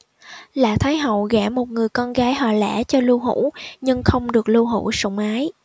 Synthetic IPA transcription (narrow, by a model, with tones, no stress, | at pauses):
la̰ː˧˨t̪ʰaː˨˦jɦə̰˧˨wɣɛ˧˩mo˨˩t̚ŋɨ˨˩əjkɔ˧nɣaː˨˦jɦɔ˧˨˩lɛ̰˧˥t͡ɕɔ˧lu˧ɦṵ˧˥ɲɨ˧ŋxə˧wŋ͡mɗɨ˨˩ək̚lu˧wɦṵ˧˩sʊ̰˧˩wŋ͡mʔaː˨˦j